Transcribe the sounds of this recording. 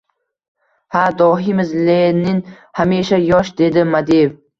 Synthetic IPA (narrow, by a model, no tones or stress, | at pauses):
had̪ɒɦɪmɪzlenɪŋ | hameʃajɒʃd̪e̞d̪ɪmad̪ejv